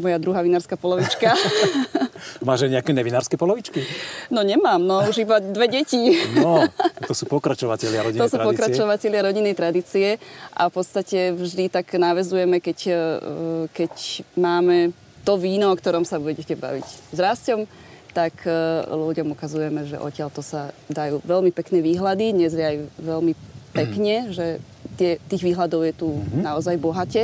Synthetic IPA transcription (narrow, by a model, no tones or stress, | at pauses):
mɔjad̪ɾuɦaːʋinaːɾskaːpɔlɔʋit͡ʃka | maːʒajɲɛakɛɲɛʋinaːɾskɛpɔlɔʋit͡ʃkinɔɲɛmaːmnɔuʒibad̪ʋɛɟɛcinɔt̪ɔsuːpɔkɾat͡ʃɔʋacɛʎɪaɾɔɟit̪ɔsuːpɔkɾat͡ʃɔʋacɛʎɪaɾɔɟinːɛjt̪ɾad̪iːt͡siɛʔa̰fpɔt̪st̪acɛvʒd̪it̪aɡnaʋɛzujɛmɛkɛc | kɛcmaːmɛ | t̪ɔʋiːnɔɔkt̪ɔɾɔmsabuɛɟɛcɛba̰ʋḭczɾascɔm | t̪akluɟɔmukazujɛmɛʒɛ̰ʔɔ̰cɪaʎt̪ɔsad̪ajuːʋɛlmipɛknɛːʋiːɦlad̪id̪ɲɛzjɛajʋɛlmipɛkɲɛʒɛ | t̪ɪɛt̪iːɣʋiːɦlad̪ɔʊjɛt̪unaɔzajbɔɦacɛ